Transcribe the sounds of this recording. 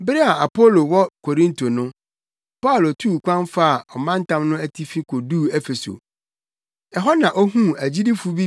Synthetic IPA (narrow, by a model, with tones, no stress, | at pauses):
bɪ˦ɾi˦a˨a˨pʰo˦lo˨wɔ˦kʰo˨ɾĩ˦ntʰo˨nʊ̃˦ | pa˦ʊ˨lo˨tʰu˦˨kʷʰã˦nfa˦a˨ɔ˨mã˦n̩˦tʰã˦mnʊ̃˦æ˦tʰi˦fi˦kʰo˨duː˦˨ɛ˦fe˨so̰˨ | ɛ˨ɦɔ˦nã˨ʔɔ˦ɦũ˦æ˨d͡ʑi˦di˦fu˦bi˦